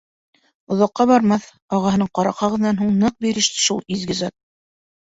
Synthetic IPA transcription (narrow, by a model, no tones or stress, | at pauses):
ŏðɑqːɑβɑɾmɑθ | ɑʁɑɦɤnɤɴqɑɾɑqhɑʁɤ̆ðnɑnɦuɴnɤq̚biɾɘ̆ʃt̪ɘ̥ʃulˠizɡɘ̆zɑt̪̚